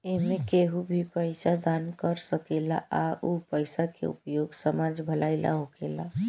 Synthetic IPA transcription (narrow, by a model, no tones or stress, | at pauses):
eɦmẽkeɦubʱipəɪsad̪ankəɾsəkela̰ʔaupəɪsakḛṵpjoɡsəmad͡ʒbʱəlaɪla̰ɦokela